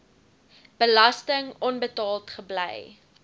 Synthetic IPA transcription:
b̥əlɐstəŋɔnbətɑːlˠtχəblɛj

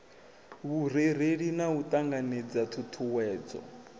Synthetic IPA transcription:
βuɾ̤eɾ̤eɺinaut̪ʼaŋɡaned͡zatʰutʰuwɛːd͡zɔ̰

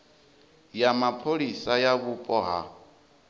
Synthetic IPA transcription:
jamapʰoɺisajaβupʼɔɦa̰

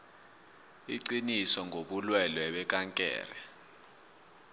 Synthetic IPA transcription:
ḭǀinisɔŋʱoɓulwɛlɔɛɓɛk̬ʼaŋkʼɛ̰ːrɛ

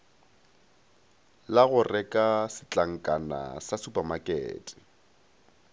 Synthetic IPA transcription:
laɣʊrɛkʼasɪt͡ɬʼaŋ̩kʼana̰sasupamakʼɛ̰ːtʼɪ̥

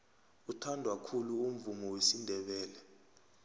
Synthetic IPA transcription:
utʰandʱwakʰuluum̩vumɔwesindʱɛɓɛːlɛ

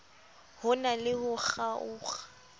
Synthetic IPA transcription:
hʊnalɪhʊk͡xaʊːχḁ

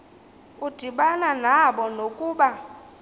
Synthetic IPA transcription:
ud̥ʱiɓananaɓɔnokʼuːɓa

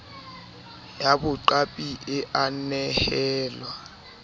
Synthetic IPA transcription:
jabʊǃapʼiʔɪʔanɛhɛːlwa

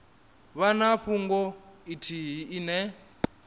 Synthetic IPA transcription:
βanaɸʰuŋɡɔitʰiɦiːnɛ

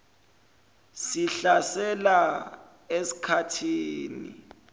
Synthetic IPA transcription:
siɬasɛla | esi̥kʰatʰiːnḭ

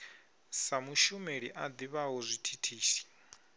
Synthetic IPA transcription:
samuʃumeɺiʔad̪iβaɦɔzʷitʰitʰiːsi̥

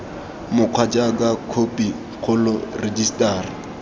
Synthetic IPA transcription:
mʊq͡χʰwat͡ʃʼakakʰopʼi | q͡χʰʊlʊred͡ʒistʼaːrɪ

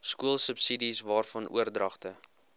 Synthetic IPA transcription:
skuəlˠsəpsidisvɑːrfɐnʔṵərdrɐχtə

